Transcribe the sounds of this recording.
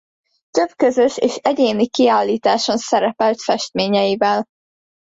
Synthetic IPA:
t̪øb̥kø̞zø̞ʃḛːʃɛɟeːnikiaːlːiːt̪aːʃo̞nsɛɾɛpɛlt̪fɛʃt̪meːɲɛjivɛl

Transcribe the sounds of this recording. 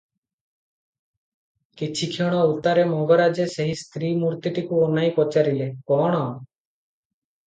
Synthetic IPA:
kit͡ʃʰikʰiɽ̃ɔut̪aɾemɔɡɔɾad͡ʒeseɦist̪ɾiːmuɾt̪iʈikuɔnaipɔt͡ʃaɾilekɔːɽ̃ɔ

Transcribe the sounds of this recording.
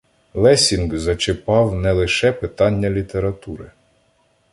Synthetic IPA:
lˠɛsʲinɡzɐt͡ʃɪpɑwnɛlˠɪʃɛpɪt̪ɑnʲːɐlʲit̪eɾɐt̪uɾɪ

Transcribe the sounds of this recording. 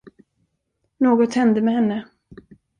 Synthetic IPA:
noːɡɔt̪hɛnd̪əmɛhɛnːə

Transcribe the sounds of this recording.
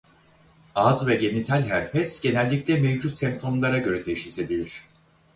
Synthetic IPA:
azvɛɟe̞nit̪ʰælʲɦæɾfɛsɟ̥e̞nælʲːic̚lʲɛmevd͡ʒut̪sɛmp̚t̪ʰo̞mlˠaɾaɟø̞ɾɛd̪e̞jiʃlʲise̞bilʲiɾ̝̥

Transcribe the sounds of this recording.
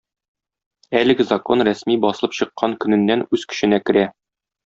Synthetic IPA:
ælɘ̆ɡɘzɐko̞nɾæsmibɒsɤlˠɤpɕɤ̆qːɑŋkɵ̆nɘ̆nːænʉz̥kɵ̥̆ɕɘ̆nækɘ̆ɾæ

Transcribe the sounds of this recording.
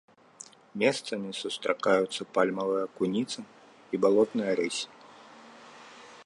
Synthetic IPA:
mʲɛst̪sɐmʲisust̪ɾʔakajut̪sːɐpalʲmɐvɨjɐkunʲit̪sɨ | ibalˠɔt̪nɨjɐɾɨsʲi̥

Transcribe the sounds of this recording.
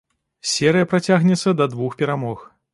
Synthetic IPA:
sʲɛɾɨjɐpɾat͡sʲaɣnʲɛt̪sːɐd̪ɐd̪vuxpʲɛɾamɔx

